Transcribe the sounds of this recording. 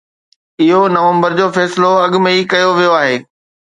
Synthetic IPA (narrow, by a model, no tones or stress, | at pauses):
ɪɦonɐʋə̃mbəɾd͡ʑoːfɛːsɪloɐɠʊ̆mẽikɐjoʋijoaːɦeː